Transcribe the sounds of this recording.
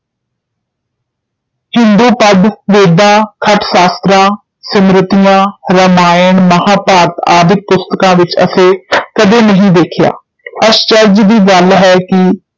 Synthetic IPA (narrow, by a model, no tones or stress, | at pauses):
hɪnd̪uːpəd̪ʋeːd̪ãːkʰəʈʰsaːst̪ɾãː | səmɾɪt̪ijãːɾəmaːjəɳməɦaːpaːɾt̪aːd̪ʱɪk̚pʊst̪əkãːʋɪt͡ʃə̰sẽːkəd̪eːnəɦĩːd̪eːkʰɪja̰ː | əst͡ʃəɾd͡ʒd̪iːɡəlɦɛːkɪ